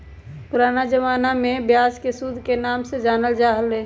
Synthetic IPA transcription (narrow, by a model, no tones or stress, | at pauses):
pʊɾaːnad͡ʒəʋaːnamẽbjaːzkesud̪ʱkenaːmsed͡ʒaːnəld͡ʒaːɦəlɦeː